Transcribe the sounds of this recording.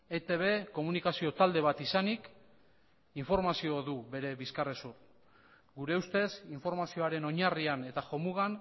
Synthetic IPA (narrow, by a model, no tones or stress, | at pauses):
e̞t̪e̞β̞e̞ko̞munikasio̞t̪ald̪e̞β̞at̪isanik | iɱfo̞ɾmasio̞ðuβe̞ɾe̞βiskaresuɾ | ɡuɾe̞ust̪e̞siɱfo̞ɾmasio̞aɾe̞no̞ɲariane̞t̪axo̞muɣan